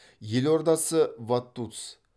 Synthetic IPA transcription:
jeloɾd̪ɑsəvat̪ːut̪s

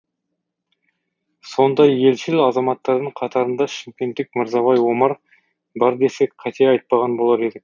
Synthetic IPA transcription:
so̞nd̪ɑjje̞lʃɪlɑzɑmɑt̪ːɑɾd̪əɴqʰɑt̪ɑɾənd̪ɑʃɪmkʲe̞nt̪ːɪkmɪɾzɑβɑjwo̞mɑɾ | bɑɾd̪e̞se̞kqʰɑt̪eɑjt̪̚pɑʁɑnbo̞lˠɑɾe̞d̪ɪkʲ

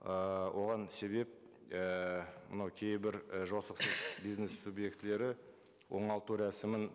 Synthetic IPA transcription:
əwʔo̞ʁɑnse̞βe̞p̚ | əmə̰nɑwkʲʰejbɪɾəʒo̞səqsəzbijznesːubje̞kt̪ɪle̞ɾɪ | wʔo̞ɴɑlˠt̪uɾæsɪmɪn

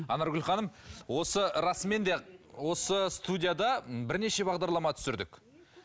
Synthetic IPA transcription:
ɑnɑɾɡʲʏlχɑnəmwo̞səɾɑsme̞nd̪e̞wo̞səst̪ud̪ʲijad̪ɑbɪɾne̞ʃe̞bɑʁd̪ɑɾlˠɑmɑt̪ʰʏ̥sɪɾd̪ɪk

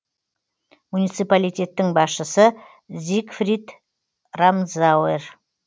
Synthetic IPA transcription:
munijt̪sɨpalijt̪ʲe̞t̪ːɪŋbɑsʃəsə | zikfrʲid̪ | ramzawer

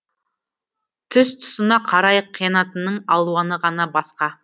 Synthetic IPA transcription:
t̪ʰʏst̪ʰʊ̥sənɑqʰɑɾɑjqʰːijɑnɑt̪ənəɴɑlˠuɑnəʁɑnɑbɑsqɑ

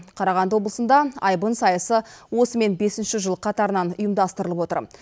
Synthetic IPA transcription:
qʰɑɾɑʁɑnd̪əwo̞blˠəsənd̪ɑɑjbənsɑjɑsəwo̞səme̞nbe̞sɪnʃɪʒəlˠəqʰɑt̪ɑɾənɑnʊjəmd̪ɑst̪əɾəlˠəpwo̞t̪ə̰ɾ

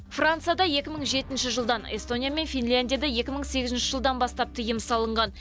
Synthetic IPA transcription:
frant̪sɨjad̪ɑje̞kʲɪməɴʒe̞t̪ɪnʃɪʒəlˠd̪ɑnḛst̪o̞nʲijame̞nfʲijnlʲand̪ʲijad̪ɑje̞kʲɪməɴse̞ɡʲɪzɪnʃɪʒəlˠd̪ɑnbɑst̪ɑp̚t̪ʰəjəmsɑlˠəɴʁɑn

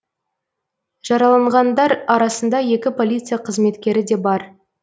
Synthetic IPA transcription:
ʒ̥ɑɾɑlˠɑɴʁɑnd̪ɑɾɑɾɑsənd̪ɑje̞kʲɪpʰo̞lʲijt̪sɨjaqʰəzme̞t̪kʲe̞ɾɪd̪e̞bɑɾ

